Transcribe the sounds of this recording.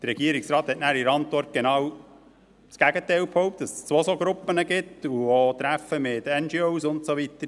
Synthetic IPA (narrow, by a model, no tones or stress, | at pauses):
d̥ərːɛɡiəɾɪksɾɑːt̪hɛtnæːɾiɾɑnt̪ʋɔrt̚ɡ̥enɑːw | sɡ̥æɡətɛɪlphɔwp̚td̥ɑsst͡sʋosoɡɾʊpːənəɡɪtuot̪ɾæfəmɪtɛnd͡ʒioʊsʊntsoʋitəɾ